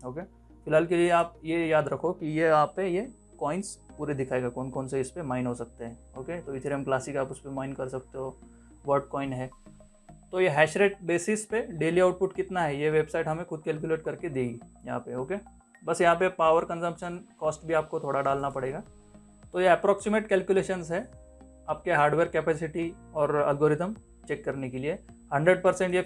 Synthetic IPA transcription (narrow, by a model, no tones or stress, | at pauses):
oːke | fɪlɦaːlkelieaːp̚jejaːd̪ɾɐkʰokijeaːpːeje | kɔːɪ̃nspuːɾed̪ɪkʰaːeːɡakoːnkoːnseɪspemaːɪnɦosɐk̚t̪eɦɛ̃ː | oːket̪oɪt̪ʰɾemklaːsikaːpʊspemaːɪnkɐɾsɐk̚t̪eɦoː | ʋəɾʈ̚kɔːɪnɦɛː | t̪ojeɦɛːʃɾeːʈ̚beːsɪspeɖeːliaːʊʈ̚pʊʈkɪt̪naɦɛjeʋeːbsaːɪʈɦɐmẽxʊd̪̚kɛːlk̬juleːʈkɐɾked̪eːɡijɐɦã̰peɦoːke | bɐsjɐɦãpepaːʋəɾkɐ̃nzə̃mpʃənkɔːsʈbʱiaːp̚kot̪ʰoːɽaɖaːlnapɐɽeːɡaː | t̪ojeɛpɾɔːksɪmeːʈkɛːlkjuleːʃənzɦɛ | aːp̚keɦaːɾɖʋeːɾkɛːpɛːsɪʈiɔːɾɐ̰ːlɡoːɾɪt̪əm | t͡ʃeːkːɐɾnekeliehɐ̃ɳɖɾəɖ̚pɐɾsẽɳʈje